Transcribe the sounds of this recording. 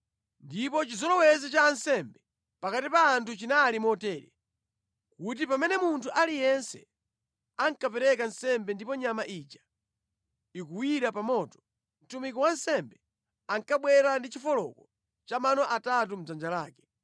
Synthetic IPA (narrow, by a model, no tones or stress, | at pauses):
ndipɔt͡ʃizɔlɔwɛzɛt͡ʃaːnsɛmbɛ | pakatipaːntʰut͡ʃinaːlimɔtɛːɾɛ | kut̬ipamɛnɛmuntʰuʔalijɛnsɛ̰ | aŋkapɛɾɛkansɛmbɛndipɔɲamaʔiːt͡ʃḁ | ikuwiɾapamɔtɔ̥ | m̩tumikɔwansɛmbɛ | aŋkaɓwɛɾandit͡ʃifɔlɔ̰kɔ | t͡ʃamanɔʔatat̬um̩d͡zand͡ʒalaːkɛ̥